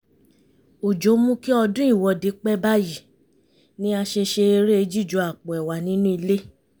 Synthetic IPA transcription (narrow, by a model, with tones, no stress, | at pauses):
o˨d͡ʒo˨˦mũ˦ki˦ɔ˧dũ˦i˦˨wɔ˧de˨˦k͡pɛ˦ba˦ji˦˨ | nĩ˦a˧ʃe˧ʃe˧e˧ɾe˦e˧d͡ʒi˦˨d͡ʒo˨˦a˨k͡pɔ˨ɛ˨wa˨nĩ˨˦nũ˦i˧le˦